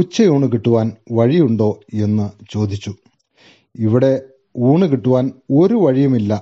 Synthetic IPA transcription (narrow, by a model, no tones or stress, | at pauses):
ut͡ɕːɐjuːɳɨk̬iʈːuʋaːnʋɐɻijuɳɖo̞ːe̞nːɨt͡ɕo̞ːd̪it͡ɕːu | iʋiɽe̞ | uːɳɨkiʈːuʋaːnoɾuʋɐɻijɐmilːɐ